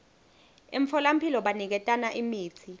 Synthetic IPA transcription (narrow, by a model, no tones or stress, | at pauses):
eɱfɔlam̩pʰilɔɓanik̬ɛtʼanaʔimiːt͡sʰi